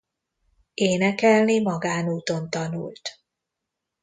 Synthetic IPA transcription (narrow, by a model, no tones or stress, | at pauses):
eːnɛkɛlnimɒɡaːnuːt̪o̞nt̪ɒnṵlt̪